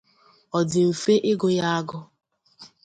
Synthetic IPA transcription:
ɔ˨dɪ˨m̩˨fe˦ʔɪ˦ɡʊ˦ja˦a˦ɡʊ˦

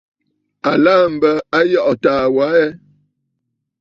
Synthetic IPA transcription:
a˨laː˦m̩˨bə˦a˦jɔ˦˨ʔɔ˨taː˨wa˨˦ɛ˦

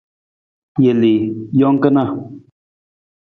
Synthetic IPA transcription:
je˨le˨jɔ˦ŋ˦kə˦na˦˨

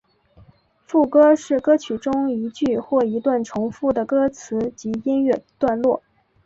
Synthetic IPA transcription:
fu˥˩kɤ˥ʂɻ̩˥˩kɤ˥t͡ɕʰy˨˩ʈ͡ʂʊ˥ŋi˧˥t͡ɕy˥˧xwɔ˥˩i˧˥t̪wa˥˩nʈ͡ʂʰʊ˧˥ŋfu˥˩d̪ə˩kɤ˥t͡sʰɹ̩˧˥t͡ɕi˧˥i˥nɥɛ˥˩t̪wa˥˧nlwɔ˥˩

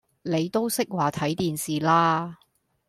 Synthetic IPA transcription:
ne˨˧jt̪o˥wsɪ˥k̚waː˨˩t̪ʰɐ˨˥jt̪iː˨nsiː˨laː˥

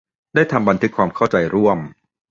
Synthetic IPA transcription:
daː˥˩jt̪ʰa˧mba˧nt̪ʰɯ˦˥kʰwaː˧mkʰa˥˩wt͡ɕa˧jɾu˥˩əm

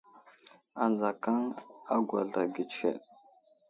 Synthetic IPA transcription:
a˨nza˨ka˦ŋa˦ɡʷa̰˨ɮa˨ɡi˨t͡ʃkḛ˨ɗ

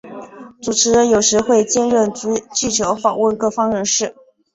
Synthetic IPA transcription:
t͡su˨˩ʈ͡ʂʰɻ̩˧˥ɻə˧˥njo˨˩ʊʂɻ̩˧˥xwe˥˧ɪt͡ɕjɛ˥nɻə˥˩n˧˥t͡ɕi˥˩t͡ɕʰjo˧˥ʊfɑ˨˩ŋwə˥˧nkɤ˥˩fɑ˥ŋɻə˧˥nʂɻ̩˥˩

